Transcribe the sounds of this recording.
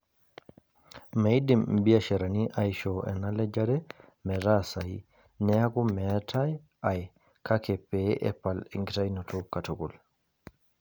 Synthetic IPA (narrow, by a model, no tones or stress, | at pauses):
majdimbijaʃɛɾaniʔajʃɔʔɛ̰nalɛd͡ʒaɾɛ | mɛɾasaj | nɛaɡɔmɛtʰaj | aj | kʰakɛpːɛʔɛ̰pːaliŋɡitajnɔtʰɔkatɔɡul